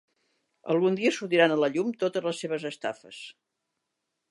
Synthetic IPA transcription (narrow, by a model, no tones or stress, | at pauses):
ə̰lˠɣund̪iəsut̪iɾanələʎumt̪ot̪əzləsːeβ̞əzəst̪a̰fə̰s